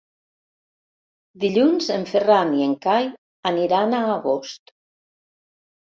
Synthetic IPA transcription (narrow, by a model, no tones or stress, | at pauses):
d̪iʎunzeɱferanieŋkaj | aniɾanaːɣost̪